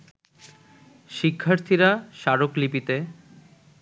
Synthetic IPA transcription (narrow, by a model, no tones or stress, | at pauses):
ʃikʰːaɾt̪ʰiɾaʃaɾoklipit̪e